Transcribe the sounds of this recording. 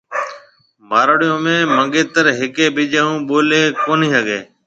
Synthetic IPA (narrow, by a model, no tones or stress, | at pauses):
maːɾəɽɪjõːmẽːməɠeːt̪əɾɦɪkeːɓɪd͡ʒəːũːɓoːleːkoːnĩːɦəɠeː